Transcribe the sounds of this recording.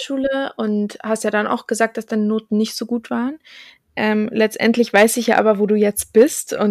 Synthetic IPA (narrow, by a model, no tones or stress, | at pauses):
ʃuːləʔʊnthastjaːɾanʔa̰ʊxɡ̥əzaːk̚td̥asd̥aɪnənoːtn̩nɪçtz̥oːɡuːtv̥aːʁən | ʔɛmlɛt͡stʔɛ̰ntlɪçv̥aɪsɪçja̰ːʔa̰ːbɐvoːduːjɛt͡st̚b̥ɪstʔʊn